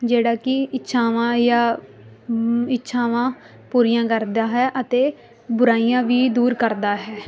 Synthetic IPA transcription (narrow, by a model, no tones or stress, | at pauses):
d͡ʒeːɽaːkɪɪtːʃʰãːʋãːjaː | ɪtːʃʰãːʋãː | puːɾɪjãːkəɾd̪aːɦɛːʔət̪eː | bʊɾaːiːjãːʋiːd̪uːɾkəɾd̪aːɦɛː